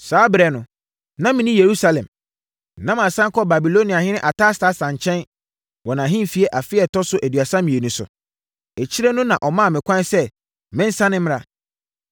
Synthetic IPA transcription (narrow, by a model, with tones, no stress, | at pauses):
saː˨˦bɾɛ˨nʊ̃˨ | nã˦mɪ̃˨nĩ˦je˨ɾu˦sa˨lɛ̃˨m˨ | nã˦mã˨sã˦ŋ˦kʰɔ˦ba˨bi˨lo˦nĩ˨a˨hɪ̃˦nɪ̃˦ʔa˨tʰa˦sta˦sã˨ɲ˨t͡ɕʰɛ̃˦n | wɔ˨nã˨ɦɪ̃˦m˨fi˨ɛ˦ʔa˨fɪ˦ɛ˨tɔ˦sʊ˦ʔæ˨dɥa˨sã˦mĩ˨e˨nũ˨sʊ̰˨ | ɛ˨t͡ɕʰi˦ɾɛ˦nʊ̃˦nã˨ʔɔ˨mã˦˨mɪ̃˨kʰʷã˦n˦sɛ˦ | mɪ̃˦n̩˦sã˦nɪ̃˦m˦ɾa˨